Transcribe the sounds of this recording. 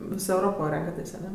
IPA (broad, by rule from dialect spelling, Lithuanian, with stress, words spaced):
ˈʋʲɪs ɛʊˈroːpoː ˈrʲɛŋkɐtʲeːsʲ ɐˈnʲɛ